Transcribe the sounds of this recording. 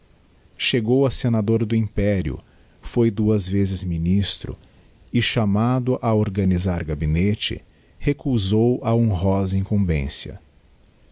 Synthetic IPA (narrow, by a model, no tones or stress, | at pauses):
ʃeɡowɐsenad̪oɾd̪ʊĩpɛɾiʊ̰ | fojd̪uɐzvezɪzminist̪ɾʊ̰ | ɪʃamad̪ʊʔaoɾɡɐnizaɾɡabinet͡ʃɪ̰ | hekuzowaõɦɔzẽĩkõvḛ̃sjɐ̰